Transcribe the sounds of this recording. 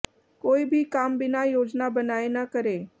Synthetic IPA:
koːibʱikaːmbɪnajoːd͡ʒnabənaːenakəɾe

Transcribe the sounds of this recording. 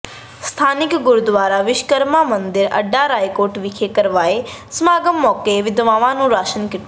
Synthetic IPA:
st̪ʰaːnɪkɡʊɾud̪ʋaːɾaʋɪʃkəɾmamə̃nd̪ɪɾɐ̰ɖːaɾaːjkoːɾʈʋikʰekəɾʋaːe | smaːɡəmːɔːkeʋɪd̪ʋãːʋãnũːɾaːʃənkɪʈː

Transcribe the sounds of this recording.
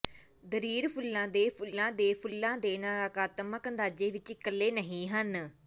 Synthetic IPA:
d̪əɾiːɾpʰʊlːãːd̪eːpʰʊlːãːd̪eːpʰʊlːãːd̪eːnaːɾaːkaːt̪əməkənd̪aːd͡ʒeːʋɪt͡ʃɪkːəlːeːnəɦĩːɦən

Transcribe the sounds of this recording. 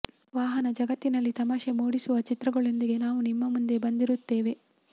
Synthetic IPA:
ʋaːɦɐnɐd͡ʒɐɡɐt̪ːinɐlːit̪ɐmaːʃemoːɽisuʋɐt͡ʃit̪ɾɐɡɐɭo̞nd̪iɡe̞naːʋunimːɐmund̪e̞bɐnd̪iɾut̪ːe̞ːʋe̞

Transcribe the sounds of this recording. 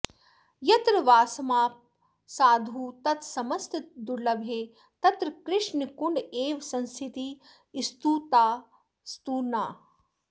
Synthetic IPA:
jɐt̪ɾɐʋaːsɐmaːp̚ | saːd̪ʱuːt̪ɐt̪sɐmɐst̪d̪uɾlɐbʱeː | t̪ɐt̪ɾɐkɾɪʂnikuɳɖeːʋsɐ̃nsʰit̪iː | ist̪uːt̪aː | st̪uːɾnaː

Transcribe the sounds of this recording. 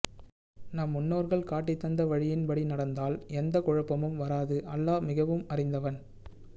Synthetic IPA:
nɐmːʊnːoːɾɣɐɭkaːʈːɪt̪ːɐnd̪ɐʋɐɻɪjɪnpɐɽinɐɽɐnd̪aːlɛnd̪ɐkɔɻɐpːɐmɯmʋɐɾaːðɯʔɐlːaːmɪɣɐʋɯmɐrɪnd̪ɐʋɐn

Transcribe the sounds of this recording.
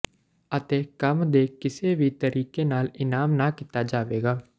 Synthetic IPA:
ət̪eːkəmd̪eːkɪseːbʱit̪əɾʔiːkeːnaːlɪnaːmnaːkɪt̪aːd͡ʒaːʋeːɡaː

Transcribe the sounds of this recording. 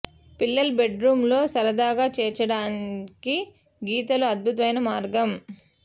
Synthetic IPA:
pilːɐlbe̞ɖɾuːmlo̞ːsɐɾɐd̪aːɡaːt͡ʃɛːt͡ʃɐɽaːnki | ɡiːt̪ɐluɐd̪̚bʱut̪ɐʋɐjnɐmaːɾɡɐm

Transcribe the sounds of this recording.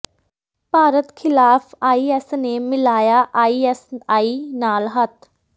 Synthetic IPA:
paːɾət̪kʰɪlaːfaːiːɛsnemɪlaːjaʔaːiːɛsaːinaːlɦɐt̪

